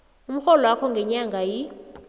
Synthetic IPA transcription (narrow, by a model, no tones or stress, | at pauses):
um̩xɔlɔwakʰɔŋɡʱɛɲaŋɡʱaji